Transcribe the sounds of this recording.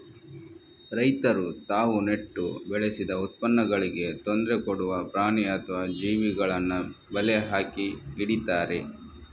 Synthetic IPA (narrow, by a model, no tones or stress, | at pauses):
ɾɐjt̪ɐɾut̪aːʋune̞ʈːubɛɭesid̪ɐut̪̚pɐnːɐɡɐɭiɡe̞t̪ond̪ɾekoɽuʋɐpɾaːɳiɐt̪ʰʋɐd͡ʒiːʋiɡɐɭɐnːubɐleɦaːkiiɽit̪aːɾe̞